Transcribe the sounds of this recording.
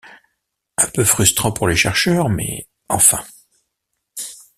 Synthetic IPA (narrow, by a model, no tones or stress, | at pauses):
ɛ̃pøfχyst̪χɑ̃puʁleʃɛʁʃœːʁmɛ̰ | ɑ̃fɛ̃